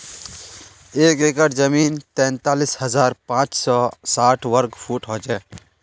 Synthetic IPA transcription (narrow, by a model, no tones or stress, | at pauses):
eːkeːkəʈd͡ʒəmiːnt̪ɛ̃ːnt̪aːlishəzaːɾpãːt͡ʃsɔːsaːʈʰʋəɾɡpʰuːʈɦɔːt͡ʃɛː